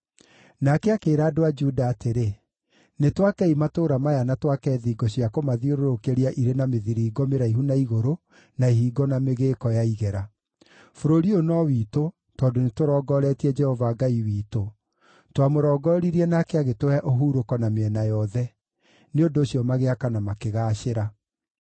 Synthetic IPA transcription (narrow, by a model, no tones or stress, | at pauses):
nakeakeːɾaːdoad͡ʒudaːteɾe | netwakɛimatoɾamajanatwakɛːðiɡɔɕiakomaðioɾoɾokeɾiaʔiɾenameðiɾiːɡɔmeɾaiɦunaiɣoɾo | naiɦiːɡɔnameɣeːkɔjaiɣɛɾa | foɾoɾionɔwiːto | tɔːndonetoɾɔːɡɔɾɛtiɛd͡ʒɛhɔvaːɡaiwiːto | twamoɾɔːɡɔːɾiɾiɛnakeaɣetowɛʔoɦuɾokɔnameɛnajɔðɛ | neondoːɕjɔmaɣeakanamakeɣaːɕeɾa